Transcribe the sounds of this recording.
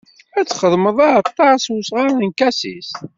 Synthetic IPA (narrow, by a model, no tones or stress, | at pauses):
æt͡sːχəðˤməðˤɑɑt̪ˤːɑsusʁɑənkæsḭs